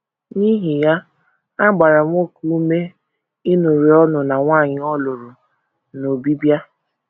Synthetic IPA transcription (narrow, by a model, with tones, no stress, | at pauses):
ɲi˦ɦi˨ja˦ | a˦ɡ͡ba˨ɾa˨ŋʷ˦o˦ku˦u˦me˦ | i˦nu˨ɾi˨ɔ˦nʊ˨na˨ŋʷaː˦˨ɲɪ˦ɔ˦lʊ˨ɾʊ˨ | no˨bi˦bja˦